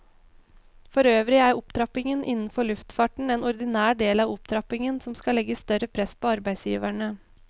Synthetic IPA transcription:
fɔɾøːʋɾɪæɾʊpt̪ʰɾɑpɪŋənʔɪ̰nn̩fɔɭʉft̪fɑːʈɳ̩eːnɔɾd̪ɪnæːɖeːlɑːʋʊp̚t̪ʰɾɑpɪŋənsɔmskɑlɛɡəst̪œɾəpʰɾɛspʰoːɑɾbæɪsjḭːʋæɳə

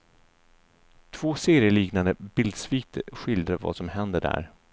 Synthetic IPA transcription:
t̪ʰv̥oːseːɾɪəliːknand̪əbɪld̪sviːk̚t̪ɧɪld̪ɾava̰sɔmhɛnd̪əɖæ̰ɾ

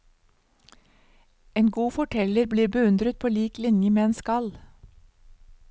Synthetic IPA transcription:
ʔeːnɡuːfɔʈʰɛləɾbliːbəʉnd̪ɾət̪̚pʰoːliːklɪnjəmeːeːnskɑl

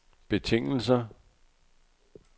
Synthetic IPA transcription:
b̥e̝t͡sʰeŋ̰l̩s̬ɐ

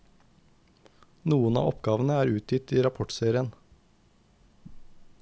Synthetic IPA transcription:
nuːənɑ̰ːɔpɡɑːʋn̩əæːɾʉːt̪jɪt̪iːɾɑpʰɔʈseːɾɪən

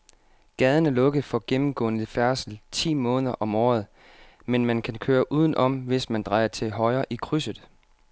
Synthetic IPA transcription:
ɡ̥ɛð̞ˠənəlɔ̽ɡ̥ðˠfɒ̽ɡ̥emm̩ɡ̥ɔ̰ːnəfæɐsl̩t͡sʰḭːmɔ̽ːnðˠɐʔɒ̽mɒːð̞̩ˠ | menmænkʰænkʰøːɐʔuːð̞ˠn̩ʔɒ̽mʋe̝smænd̥ʁɑ̈ɪɐt͡sʰe̝ɦɒ̽ɪɐːʔikʰʁysəð̩ˠ

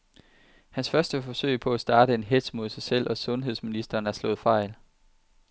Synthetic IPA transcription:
hænsfɶɐsd̥əfɒ̽sø̰ɪ̰pʰɒ̽æsd̥ɑ̈ːd̥əe̝nɦed̥smo̝ðˠsɑ̈ɪsel̰ʔɒ̽sɔ̽nɦe̝ð̞̰ˠsminisd̥ɐːnæɐslɔ̽ːð̩ˠfɑ̈ɪ̰l

